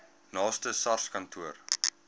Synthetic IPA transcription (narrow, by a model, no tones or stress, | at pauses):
nɑːstəsɐrskɐntʰuər